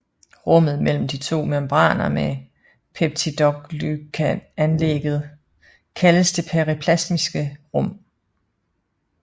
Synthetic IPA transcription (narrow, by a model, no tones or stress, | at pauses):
ʁɔ̽m̰ð̞̩ˠmel̰m̩d̥it͡sʰo̝̰ːmæmb̥ʁɑ̰̈ːnɐme | pʰeb̥̚t͡sʰid̥ɒɡ̥lyɡ̥ʰæænleɡ̥ð̩ˠ | kʰæləsd̥e̝pʰæʁipʰlæsmisɡ̥əʁɔ̽m̰